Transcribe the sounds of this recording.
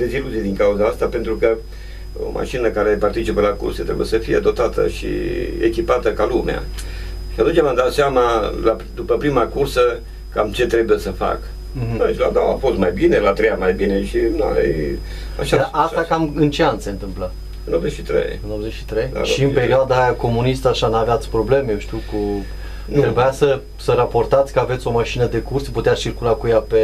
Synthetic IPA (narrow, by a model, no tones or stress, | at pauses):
d̪eziluzijed̪iŋkauzaast̪ape̞nt̪ɾukə | o̰mʔa̰ʃinəkaɾe̞part̪it͡ʃipəlakṵrset̪ɾe̞bṵjesəfijead̪ot̪at̪ə̰ʃḭḛkʲipat̪əkalumea̰ | ʃiat̪unt͡ʃʲamamd̪at̪seamala | d̪upəpɾimakursə | kamt͡ʃe̞t̪ɾe̞bujesəfa̰k | aʃla̰d̪aa̰fo̞st̪majbinelat̪ɾejamajbine̞ʃina̰j | a̰ʃad̪asakamɨnt͡ʃeanse̞nt̪ɨmplə | ɨnobzet͡ʃʃit̪ɾḛjɨnobzet͡ʃʃi̥t̪ɾej̰ʃiɨnpe̞ɾioad̪ajako̞munist̪aʃanaveat̪sʲpɾo̞ble̞mejewʃt̪iwku | nt̪ɾebujasə | səɾapo̞rt̪at̪sʲkəave̞t̪sʲo̞maʃinəd̪e̞kursput̪eat͡ʃirkulakujape